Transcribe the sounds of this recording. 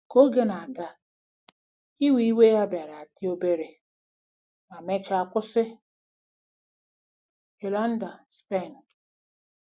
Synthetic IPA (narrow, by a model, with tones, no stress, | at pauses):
ko˦ɡe˦na˨a˨ɡa˨ | i˦wi˨i˦we˦ja˦ba˨ɾa˨a˨tɪ˦o˦be˦ɾe˨ | ma˨me˦t͡ʃa˦˨a˨kʷʊ˦sɪ˦ | e˨la˦n̩˦da˨spe˦˨n˨